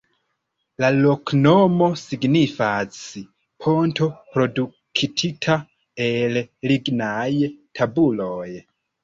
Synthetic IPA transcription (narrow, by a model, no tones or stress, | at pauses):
lalo̞kno̞mo̞siɡnifasi | pʰo̞ntʰo̞pɾo̞du | kʰitʰitʰa | elliɡnajtʰabulo̞j